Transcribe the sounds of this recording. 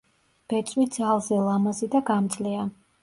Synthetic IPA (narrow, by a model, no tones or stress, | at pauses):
b̥ɛt̪sʼwid̪zalˠzɛlˠamazid̪aɡamt̪sʼlia